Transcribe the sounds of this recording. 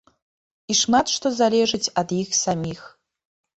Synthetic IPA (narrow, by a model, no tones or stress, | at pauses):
iʂmat̪ʂt̪ʰo̞zalʲeʐɨtʲʰad̪ixsamʲix